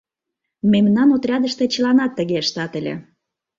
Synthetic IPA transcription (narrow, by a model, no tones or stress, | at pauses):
memnɑnot̪rʲɑd̪əʃt̪ĕt͡ɕəlɑnɑt̪ːə̆ɣeəʃt̪ɑt̪əlʲḛ